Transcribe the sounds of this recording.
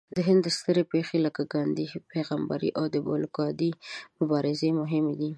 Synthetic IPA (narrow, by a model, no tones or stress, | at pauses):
d̪əɦɪnd̪ːəst̪əɾepexeləkaɡɑnd̪ipeɣamba̰ɾḭʔawd̪əbo̰lkɑd̪imʊbɑɾɪzemʊɦɪmed̪i